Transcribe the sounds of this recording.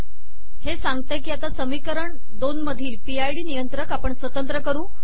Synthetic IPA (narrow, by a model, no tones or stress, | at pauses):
hesãŋɡt̪ekiːat̪asəmikəɾəɳ | d̪onməd̪ʱiːlpiajɽiːnijənt̪ɾəkapəɳsʋət̪ənt̪ɾəkəɾũː